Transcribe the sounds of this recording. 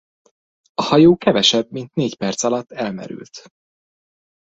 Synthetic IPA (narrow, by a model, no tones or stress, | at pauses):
ɒhɒjoːkɛvɛʃɛbmint̪neːcpɛrt̪sɒlɒt̪ːɛlmɛ̰ɾy̰lt̪